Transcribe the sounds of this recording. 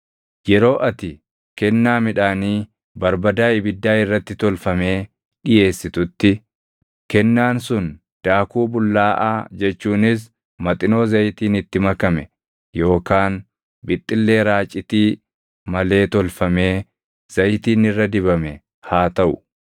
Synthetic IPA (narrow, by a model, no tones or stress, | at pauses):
jɛɾo̞ːʔɐt̪ɪ | kɛnːaːmɪᶑaːniː | bɐɾbɐd̪aːɪbɪd̪ːaːɪrːɐt̪ːɪt̪ɔlfɐme̞ː | ᶑɪje̞ːsːɪt̪ʊt̪ːɪ | kɛnːaːnsʊn | d̪̥aːkuːbʊlːaːʔa̰ːd͡ʒɛt͡ʃːuːnɪs̬ | mɐt̪ʼɪno̞ːzɐjt̪iːnɪt̪ːɪmɐkɐmɛ | jo̞ːkaːn | bɪt̪ʼːɪlːe̞ːɾaːt͡ʃʼɪt̪iː | mɐle̞ːt̪ɔlfɐme̞ː | z̥ɐjt̪iːnɪrːɐd̪ɪβɐmɛ | haːt̪ɐʔʊ̥̰